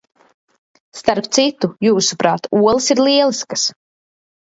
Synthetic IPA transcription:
st̪aɾpt̪sit̪ujuːsupɾaːt̪uɔlˠsiɾlˠiɛlˠiskas

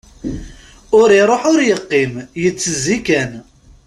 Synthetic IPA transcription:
ʊɾiɾˤoħʊɾjəqːimjət͡sːəzikæn

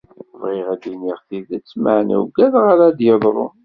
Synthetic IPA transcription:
vʁɪʁæd̪iniʁθiðæt͡sːmaʕnæ̰wɡæðʁaɾad̪jəðˤɾˤo̰

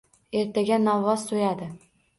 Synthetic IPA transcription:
e̞ɾt̪ʰaɡʲanalːɒzsojad̪ɪ

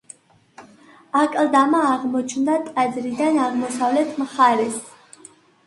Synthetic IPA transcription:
akʼld̪amaːʁmɔt͡ʃʰnd̪at̪ʼɛd̪zɾid̪anaʁmɔsavlɛt̪ʰmχaɾɛs

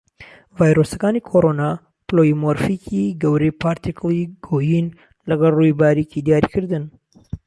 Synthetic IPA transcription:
vaːjɾoːsɐkaːnikʰoɾoːna | plojimoɾfikʰiɡɐwɾejpaɾt̪ikliɡ̥oːjin | lɐɡɐlrujbaːɾicid̪ijaːɾikɨɾd̪ɨn

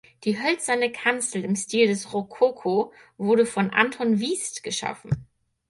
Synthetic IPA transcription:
d̥iːɦœlt͡sɐnəkʰant͡sl̩ɪmstiːldɛsʁokʰokʰo | vʊɐdəfɔnʔa̰ntʰɔnviːstɡ̥əʃa̰fn̩

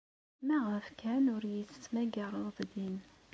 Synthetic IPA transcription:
mæʁəfkænʊɾjət͡sːsmæɡɑɾˤəˤðd̪in

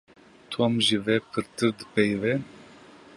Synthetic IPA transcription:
t̪ʰuamʒivɛpʰɨɾt̪ɨɾd̪ɨpɛjvɛn

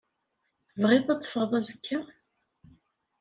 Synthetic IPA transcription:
vʁɪðˤæt͡sːfəɾðˤæzəkʰːa

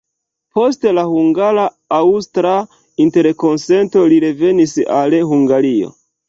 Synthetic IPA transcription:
po̞ste̞lahuŋɡaɾa | awustɾa | inte̞ɾko̞nse̞nto̞liɾe̞ve̞nisa̰lhuŋɡaɾio̞̰

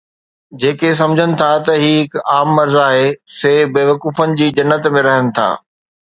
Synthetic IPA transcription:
d͡ʑeːkes̬ɐmd͡ʑʱənɪ̆t̪ʰat̪ɐɦiːɦɪkaːmːɐɾzaːɦeseːbeːʋɐkuːfənɪ̆d͡ʑiːd͡ʑɐnːət̪mẽɾɐɦənɪ̆t̪ʰa̰ː

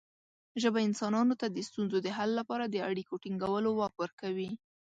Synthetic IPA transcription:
ʒəbaɪnsɑnɑnot̪ad̪əst̪unzod̪əɦalːapɑɾad̪əaɽikoʈiŋɡawəlowɑkwəɾkawi

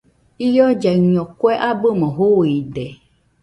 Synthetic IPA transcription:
ijɔd͡ʒaɲɔ̃kwɛʔabəmɔ̃ɦoiɖɛ

